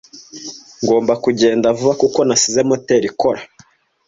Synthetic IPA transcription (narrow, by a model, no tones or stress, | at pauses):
ŋɡo̞ːmbakuɟe̞ːndavuβakuko̞nasizemote̞ɾiko̞ɾa